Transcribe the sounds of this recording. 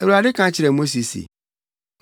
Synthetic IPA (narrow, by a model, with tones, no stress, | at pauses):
æ˨wu˨a˨dɪ˦kʰã˨˦t͡ɕʰɪ˨ɾɛ˨mo˦s̬i˨sḭ˨